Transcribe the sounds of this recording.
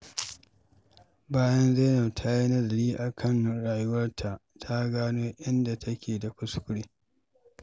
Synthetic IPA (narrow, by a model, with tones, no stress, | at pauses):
baː˦jɐ˦nza˦na˨wtʰa˦ji˦nɐ˦zɐ˨liː˦ʔa˨kʰɐ˦nː˨ɽaː˨jʊ˦wɐ˦rtʰa˨ʔtʰa˦ɡaː˦noː˦ʔɪ˦nda˨tʰɐ˦kʲeː˨da˨kʷʊ˦skʷʊ˦ɽeː˦